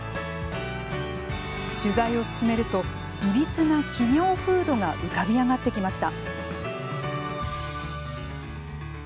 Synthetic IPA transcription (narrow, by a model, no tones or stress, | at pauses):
ɕɨzaio̞sɨ̥sɨme̞ɾɯ̟t̪o̞ | ibʲit͡sɨnakʲʰiɲʲo̞ːɸɯ̟ːd̪o̞ŋaʔɯ̟kabʲiaɡat̪ːe̞kʲimaɕi̥t̪a̰